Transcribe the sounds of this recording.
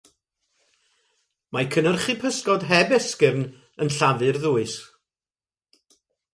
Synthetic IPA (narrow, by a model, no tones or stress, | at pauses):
makʰənərχipʰəskɔdɦɛbɛskɪvn | ənɬavɨrðuːɨs